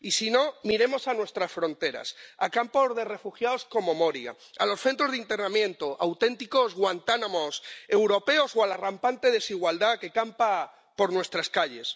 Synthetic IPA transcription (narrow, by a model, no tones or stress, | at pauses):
isino̞miɾe̞mo̞sanwe̞st̪ɾasfɾõ̞nt̪e̞ɾa̰sakampo̞zðe̞re̞fuxjaosko̞mo̞mo̞ɾja̰ | alo̞sθe̞nt̪ɾo̞zðint̪e̞ɾnamjẽ̞nt̪oʔawt̪e̞nt̪iko̞zɣwant̪anamo̞se̞wɾo̞pe̞o̞soalarampant̪e̞ðe̞siɣ̞wald̪ake̞kampa | po̞ɾnwe̞st̪ɾaskaʎe̞s